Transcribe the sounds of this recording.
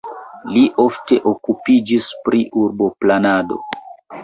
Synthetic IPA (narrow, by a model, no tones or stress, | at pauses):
liʔo̞fte̞ʔokupid͡ʒispɾʔiʔuɾbo̞planado̞̰